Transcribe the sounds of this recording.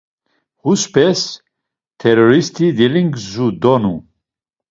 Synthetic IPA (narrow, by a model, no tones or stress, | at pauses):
huspʰɛs | t̪ʰɛɾɔɾist̪ʰid̪iliŋɡzud̪ɔnu